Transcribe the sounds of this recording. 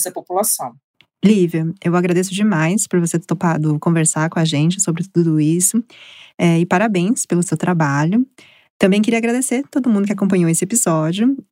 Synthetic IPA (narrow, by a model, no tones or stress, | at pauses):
sepopulasɐ̃w̃ | livjɐewaɡɾad̪esʊd͡ʒɪmajspʊɾvoset̪t̪opad̪ʊkõveɾsaɾkõɐʒẽnt͡ʃɪsobɾɪt̪ud̪ʊd̪ʊisʊɛɪpaɾabẽj̃spelʊsewt̪ɾabaʎʊ | t̪ɐ̃mbẽj̃kɪɾiɐaɡɾad̪eseɾt̪od̪ʊmũnd̪ʊkʲɪakõpɐ̃ɲowesɪepizɔd͡ʒɪʊ